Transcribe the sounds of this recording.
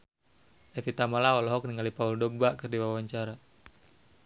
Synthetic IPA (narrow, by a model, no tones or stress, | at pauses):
ʔɛfit̪amalaɔlɔɦɔk̚niŋɡalipauldɔɡ̚bakɨrdiwawaɲt͡ʃaɾa